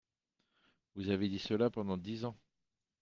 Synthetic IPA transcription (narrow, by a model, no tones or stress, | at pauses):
vuzaved̪isəlapɑ̃d̪ɑ̃d̪izɑ̃